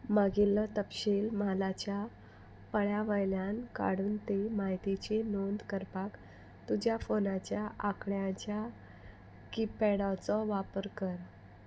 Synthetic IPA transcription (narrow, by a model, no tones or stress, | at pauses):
maɡilːət̪əpɕilmalat͡ɕja | pəɭjaʋəjljanka̰ɽuːnt̪emaɦjt̪it͡ɕenond̪kəɾpak | t̪ud͡ʑʱjafonat͡ɕjaʔakɽjãt͡ɕja | kipːɛɽat͡sɔʋapəɾkəɾ